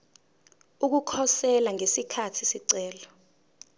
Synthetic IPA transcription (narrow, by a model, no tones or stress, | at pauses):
uk̬ukʰɔsɛlaŋesikʰatʰisiǀɛːlɔ